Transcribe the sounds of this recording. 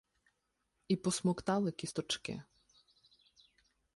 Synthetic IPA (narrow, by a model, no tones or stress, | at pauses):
ipɔsmɔkt̪ɑlˠɪkʲist̪ɔt͡ʃkɪ̰